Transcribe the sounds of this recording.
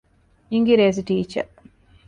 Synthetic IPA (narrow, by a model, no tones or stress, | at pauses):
iŋɡiɾeːz̬iʈiːt͡ʃɐ̰